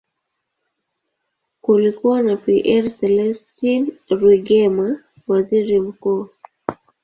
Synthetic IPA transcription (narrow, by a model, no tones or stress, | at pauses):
kulikuwanapiʔɛɾsɛlɛstinɾiɡɛma | waziɾim̩kuː